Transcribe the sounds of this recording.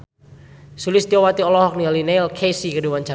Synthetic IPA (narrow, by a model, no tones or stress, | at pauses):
sulɪst̪iɔwat̪iɔlɔɦɔk̚nialineɪlkʰesikədiwaɲt͡ʃa